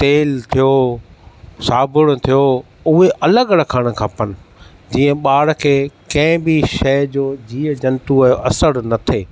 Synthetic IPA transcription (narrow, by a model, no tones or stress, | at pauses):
t̪eːlt̪ʰijo | saːbʊɽ̃t̪ʰijo | ʊɦeʔɐləɡɾɐkʰaːɽ̃̆kʰaːpənɪ̆ | d͡ʑiːə̃ɓaːɽ̆kʰeːkɐ̃ɦɪ̃biʃɐd͡ʑoːd͡ʑiːəd͡ʑɐnt̪uʔɐsəɽnɐt̪ʰeː